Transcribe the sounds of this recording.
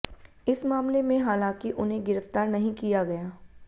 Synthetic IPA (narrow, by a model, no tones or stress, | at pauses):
ɪsmaːmlemẽɦaːlãːkiʔʊnɦẽɡɪɾəft̪aːɾnɐɦĩkijaɡɐjaː